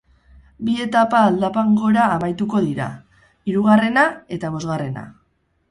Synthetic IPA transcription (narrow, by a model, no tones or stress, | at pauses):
bie̞t̪apaːld̪apaŋɡo̞eɾaːmajt̪uko̞ðiɾa̰ | iɾuɣ̞are̞nae̞t̪aβ̞o̞zɣare̞na̰